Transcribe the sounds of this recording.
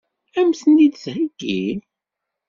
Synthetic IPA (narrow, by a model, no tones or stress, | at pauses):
æmsənːid̪shəɡ̥ːil